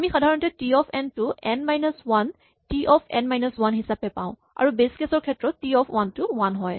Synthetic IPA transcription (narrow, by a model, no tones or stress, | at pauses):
amixadʱaɹɔntɛtiɔpʰɛntuɛnmajnɔswan | tiʔɔfpʰɛ̰nmajnɔswanɦisapɛpãʊ̃ | a̰ɹubeskesɔɹkʰɛtɹɔtːiɔpʰwantuwanɦɔj